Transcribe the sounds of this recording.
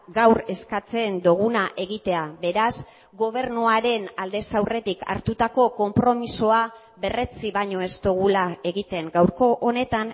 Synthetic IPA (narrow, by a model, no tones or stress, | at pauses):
ɡawɾe̞skat͡se̞nd̪oɣ̞unaʔe̞ɣit̪e̞aβe̞ɾaz | ɡo̞β̞e̞ɾnuaɾe̞nald̪e̞sawre̞t̪ikʰa̰ɾt̪ut̪ako̞ko̞mpɾo̞misoa | βe̞re̞t͡siβaɲo̞e̞st̪oɣulae̞ɣit̪e̞ŋɡawɾko̞ʔːne̞t̪aŋ